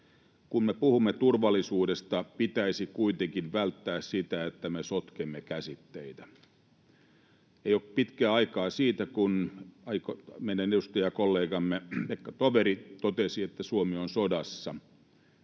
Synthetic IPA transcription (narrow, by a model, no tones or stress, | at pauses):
kunmepuhumːet̪urʋɑlːisuːdest̪ɑpit̪æisikuit̪eŋkinʋælt̪ːæːssit̪æet̪ːæmesot̪kemːekæsit̪ːeit̪æ | ejopit̪kæːɑikɑːsiːt̪ækunɑikomeidænedust̪ɑjɑkolːeːɡɑmːeekːɑt̪oʋeɾit̪ot̪esiet̪ːæsuomionsodɑsːɑ